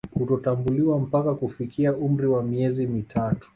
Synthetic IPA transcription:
hutɔtambuliwam̩pakakufikiaʔum̩ɾiwamiɛzimitʰatu̥

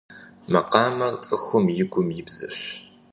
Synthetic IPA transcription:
mɐqɑːmɐrt͡sʼɨxʷʊmjɪɡʷʊmjɪbz̥ɨ̰ɕ

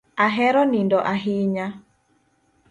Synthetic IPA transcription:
aɦɛɾɔnindɔʔaɦiɲa

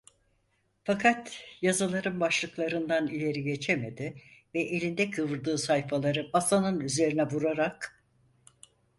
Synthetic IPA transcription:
fakʰat̪jazɯlˠaɾɯnbaʃlˠɯklˠaɾɯnd̪anilʲe̞ɾiɟe̞t͡ʃʰe̞me̞d̪ɪvɛʔelʲind̪ɛkʰɯvɯɾd̪ɯːsajfalˠaɾɯbasanɯnyze̞ɾinɛbuɾaɾak

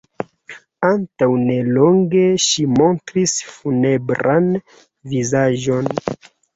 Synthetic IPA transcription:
antawne̞lo̞ŋɡeʃimo̞ntɾisfune̞bɾan | vizaʒo̞n

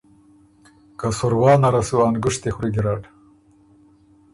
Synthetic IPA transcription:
kasʊɾwɑːnaɾasuwɑːnɡʊʂt̪exɾiɡiɾɑːʈ

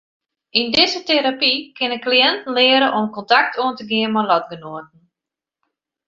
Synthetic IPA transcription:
indɪzəteɾapikɪnəkliɛntn̩lɪəɾəʔɔmkɔntak̚tʰuəntəɡɪənmɔlɔtɡənoət̚n̩

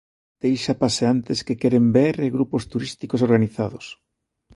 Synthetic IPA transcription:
d̪̥ejʃapaseant̪eskekeɾembeɾeɣɾupost̪uɾist̪ikosoɾɣaniθaðʊs

